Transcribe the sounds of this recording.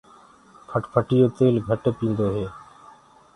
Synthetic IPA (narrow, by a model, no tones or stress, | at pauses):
kʰəʈpʰəʈɪjoːt̪eːlɡʱəʈːpĩːnd̪oːɦeː